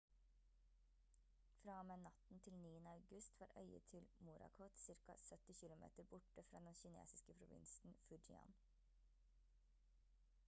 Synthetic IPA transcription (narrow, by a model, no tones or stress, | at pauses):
fɾɑːmeːnɑt̪n̩t̪ʰɪlniːənəɑʉɡʉst̪ʰʋɑːɾʔœ̰ʏə̰t̪ʰɪlmuːɾɑ̰kʰɔt̪sɪɾkɑ̰sœt̪ɪçɪlʊmḛːt̪əɾbʊʈəfɾɑ̰ːd̪ɛnçɪnḛːsɪskəpʰɾʊʋɪ̰nsn̩fʉd͡ʒɪɑ̰n